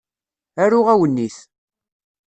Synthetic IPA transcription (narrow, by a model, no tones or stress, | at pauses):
æɾʊʁæwənːiθ